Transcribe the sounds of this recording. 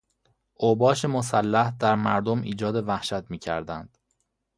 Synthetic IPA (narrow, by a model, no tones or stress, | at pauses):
ʔobɒːʃemosælːæhd̪æɾmæɾd̪omʔḭːd͡ʒɒːd̪e̞væhʃæt̪miːcʰæ̰ɾd̪ænd̪̥